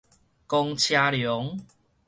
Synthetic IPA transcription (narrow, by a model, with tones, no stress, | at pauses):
kɔ˧ŋt͡ɕʰja˧ljɔ˨˦ŋ